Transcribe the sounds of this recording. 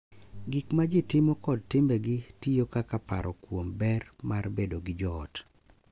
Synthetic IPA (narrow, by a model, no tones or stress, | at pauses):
ɡɪkmad͡ʒɪtɪmokɔd̚tɪmbɛɡɪtijokakapa̰ɾʔɔkwombɛrmarbedoɡɪd͡ʒɔt